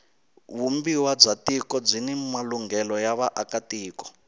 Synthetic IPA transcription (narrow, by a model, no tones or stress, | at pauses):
βumbiwab͡ʐatikɔb͡ʐʷinɛmaluŋɡɛlɔjaβaʔakatiːkɔ̥